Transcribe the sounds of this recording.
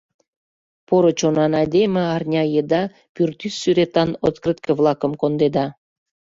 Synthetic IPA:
poɾot͡ɕonɑnɑjd̪emʲĕɑrnʲɑjəd̪ɑ | pyrt̪ysːyɾet̪ɑnot̪krɨt̪kə̆vlˠɑkəmkond̪ed̪ɑ

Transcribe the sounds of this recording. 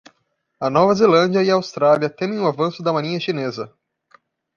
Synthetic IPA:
ɐnɔvɐzelɐ̃nd͡ʒiɐiɐaawst̪ɾaliɐt̪ẽmẽj̃ʊavɐ̃sʊd̪ɐmaɾĩɲɐʃinezɐ

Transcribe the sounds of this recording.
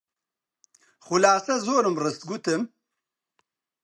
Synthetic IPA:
χʊlaːsɐzoːɾɨmrɨst̪̚ɡut̪ɨm

